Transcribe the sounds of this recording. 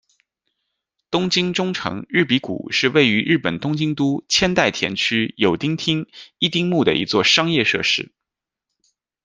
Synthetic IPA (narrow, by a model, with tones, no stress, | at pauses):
t̪ʊ˥ŋt͡ɕi˥ŋʈ͡ʂʊ˥ŋʈ͡ʂʰɤ̰˧˥ŋɻɻ̩˥˩pi˧˥kṵ˨˩ʂɻ̩˥˧we˥˩ɪy˧˥ɻ̩˥˩pə˨˩nt̪ʊ˥ŋt͡ɕi˥ŋt̪u˥t͡ɕʰjɛ˥nt̪a˥˩ɪt̪ʰjɛ˧˥nt͡ɕʰy˥jo˨˩ʊt̪i˥ŋt̪ʰi˥ŋi˥˧t̪i˥ŋmu˥˩d̪ə̰˩ʔḭ˧˥t͡swɔ˥˩ʂɑ˥ŋjɛ˥˧ʂɤ̰˥˧ʂɻ̩˥˩